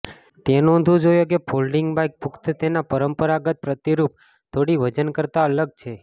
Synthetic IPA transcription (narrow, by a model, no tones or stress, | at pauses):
t̪enɔ̃nd̪ʱũd͡ʒojok̬epʰolɖɪŋɡbajk̚pukt̪t̪enapəɾəmpəɾaɡət̪̚pɾət̪iɾup̚ | t̪ʰoɽiʋəd͡ʒənkəɾt̪aələɡ̚t͡ʃʰe